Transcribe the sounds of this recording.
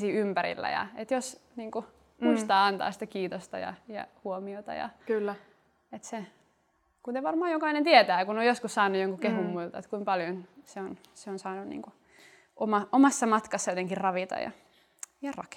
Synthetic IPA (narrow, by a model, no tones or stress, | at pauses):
siːympæɾḭlːæ̰jɑ̰et̪josniːŋku | muist̪ɑːɑnt̪ɑ̰ːsi̥t̪ækiːt̪ost̪ɑ̰jɑ̰jɑ̰huomiot̪ɑ̰jɑ̰kylːæ | et̪se | kut̪eʋɑrmɑːjokɑinent̪iet̪æːkunojoskussɑːnːujoŋkukehumːuilt̪ɑet̪kuimpɑljonseon | seonsɑːnunnḭːŋku | ʔomɑʔomɑsːɑmɑt̪kɑsːɑjot̪eŋkirrɑʋit̪ɑ̰jɑ̰ | jɑrɑ̰k